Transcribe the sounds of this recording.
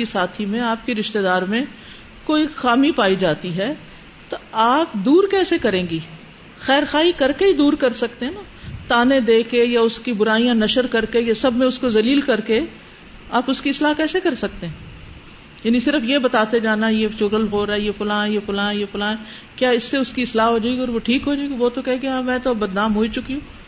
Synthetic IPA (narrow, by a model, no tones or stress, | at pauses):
isaːt̪ʰimẽaːpkiɾɪʃt̪ed̪aːɾmẽ | koːixaːmipaːid͡ʒaːt̪iɦɛː | t̪oaːp̚d̪uːɾkɛːsekɐɾẽːɡiː | xɛːɾxaːɦikɐɾkeid̪uːɾkɐɾsɐkt̪ẽɦɛna | t̪aːnẽd̪eːkejaʊskibʊɾaːijãnɐʃəɾkɐɾkejasɐbʱmẽʊskozɐliːlkɐɾke | aːpʊskiɪslaːkɛːsekɐɾsɐk̚t̪ẽɦɛ̃ː | jaːnisɪɾəfjebɐt̪aːt̪ed͡ʒaːnajet͡ʃoːɾəlɦoːɾɛjefʊlãːnjefʊlãːjefʊlãːn | kjaːɪsːeʊskiɪslaːɦɦoːd͡ʒaːɪɡiɔːɾʋoʈʰiːkɦoːd͡ʒaːiɡiʋoːt̪okɛɦẽɡeaːmɛ̃ːt̪oɐbɐd̪naːmɦoːit͡ʃʊkiũː